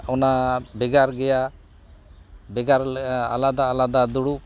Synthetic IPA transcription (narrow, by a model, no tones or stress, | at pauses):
ɔnabɛɡaɾɡɛja | bɛɡaɾa̰lad̪aːlad̪ad̪uɽu